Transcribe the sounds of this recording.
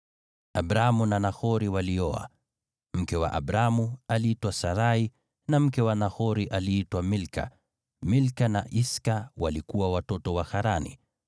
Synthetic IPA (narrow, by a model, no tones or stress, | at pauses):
abɾamunanaxɔɾiwaliɔa̰ | m̩kɛwa̰ʔa̰bɾamualiitwasaɾai | nam̩kɛwanahɔɾiʔaliːtwamilka̰ | milkana̰ʔiskawalikuwawatɔtɔwaxaɾanḭ